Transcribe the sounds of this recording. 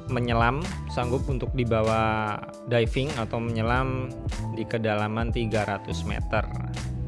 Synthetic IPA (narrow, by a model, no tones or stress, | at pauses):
məɲəlamsaŋɡʊp̚unt̪ʊk̚dibawa | dajfɪŋat̪awməɲəlam | dikədalamant̪iɡaɾat̪ʊsmḛt̪ə̰r